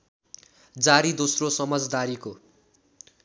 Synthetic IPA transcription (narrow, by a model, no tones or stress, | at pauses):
d͡zaɾid̪osrosʌmʌd͡zd̪aɾiko